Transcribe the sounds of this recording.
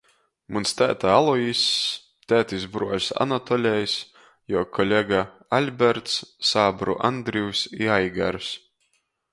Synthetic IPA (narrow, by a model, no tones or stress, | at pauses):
munst̪ʲæːt̪aalˠɔis | t̪ʲæːt̪ʲisbɾuɔjsa̰nat̪ɔlʲɛjs | jɔːkʰɔlʲeɡa | alʲbʲɛɾt̪sːaːbɾṵʔand̪ɾiwsiajɡa̰ɾs